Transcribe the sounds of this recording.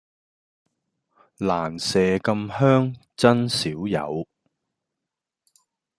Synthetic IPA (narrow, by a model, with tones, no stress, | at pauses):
laː˨˩nsɛː˨kɐ˧mhœː˥ŋ | t͡sɐ˥nsiː˨˥wjɐ̰˨˧w